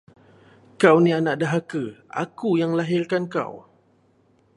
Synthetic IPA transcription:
kawnĩanaʔ̚daɦakəʔa̰kujaŋlaɦɪrkanka̰w

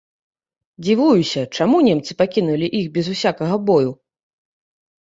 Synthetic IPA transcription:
d͡zʲivujusʲɐt͡ʂamunʲemt̪sɨpakʲinulʲiʔixbʲɛzusʲakɐɣɐbɔju

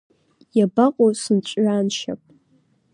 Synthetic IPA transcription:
jabaqʼosɨnt͡ɕʷʼɥaːnʃa̰pʼ

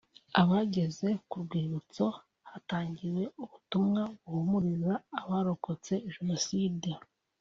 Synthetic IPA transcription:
aβaːɟe̞ze̞kuɾɡwiːɾut͡so̞ | hataːɲɟiɾwe̞uβutumŋaβuhumuɾizaːβaːɾo̞ko̞t͡se̞ʒeno̞side

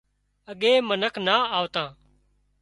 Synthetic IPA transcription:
əɠeːmənəkʰnaːaːʋt̪ãː

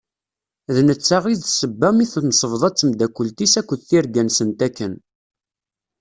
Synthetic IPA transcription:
ðnət͡sːaʁiðsəbːæmiθnsˤəvðˤɑt͡sːəmd̪ækʷːəlt̪isækʷːəðθiɾɡænsənt̪ækːən

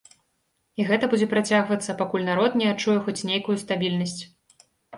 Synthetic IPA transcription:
iɣɛt̪ɐbud͡zʲɛpɾat͡sʲaɣvɐt̪sːɐpakulʲnaɾɔt̪nʲɛat͡ʂujɛxɔt͡sʲnʲejkujust̪abʲilʲnɐsʲt͡sʲ

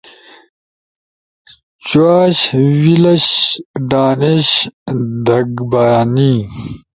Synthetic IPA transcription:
t͡ɕwaːɕwilɐɕɖaːneɕd̪ɐɡbaːni

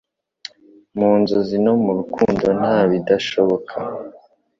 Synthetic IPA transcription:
muːnzozino̞muɾukuːndo̞n̥haːβidaʃoβo̞kʰa

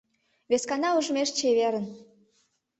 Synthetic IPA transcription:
βeskɑnɑuʒəmeʃt͡ɕeβeɾə̆n

